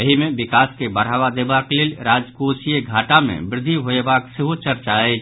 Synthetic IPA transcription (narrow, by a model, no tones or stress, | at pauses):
əɦimẽbɪkaːskebɐɾ̤aːʋad̪eːbakleːlɾaːd͡ʒkoːsieɡʱaːʈamḛ̃bɾɪd̪ʱːiɦoebaːksɪɦut͡ʃɐɾt͡ʃae